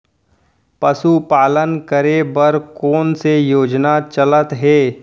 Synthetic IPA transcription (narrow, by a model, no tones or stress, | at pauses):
pɐsupaːlənkəɾebɐɾkoːnsejoːd͡ʒnat͡ʃɐlət̪ɦeː